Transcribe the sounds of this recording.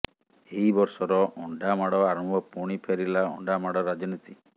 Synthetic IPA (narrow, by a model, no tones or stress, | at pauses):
eɦibɔɾsɔɾɔʔɔɳɖamaɽɔaɾɔmbʱɔpuɽ̃ipʰeɾilaɔ̰ɳɖamaɽɔɾad͡ʒɔnit̪i